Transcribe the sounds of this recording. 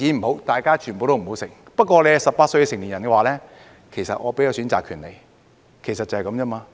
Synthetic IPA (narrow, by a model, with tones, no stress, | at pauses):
iː˨˧m̩˨˩ho˨˥wt̪aː˨jkaː˥t͡ʃʰy˨˩npo˨wt̪o˥m̩˨˩o˨˧˥wsɪ˨˩ŋ | pɐ˥t̚kʷɔː˧le˨˧jsɐ˨pːaː˧t̚sɵ˧jkɛ˧sɪ˨˩ŋli˨njɐ˨˩nkɛ˧waː˨˧lɛː˥ | kʰe˨˩jsɐ̰˨t̚ʔŋɔː˨˧pe˨˥jaː˨˧syː˨˥nt͡sa̰ː˨˩kʰyː˨˩nle˨˩j | kʰe˨˩jsɐ˨t̚t͡sɐ˨˩hɐ˨jkɐ˨˦mt͡ɕɛː˥maː˧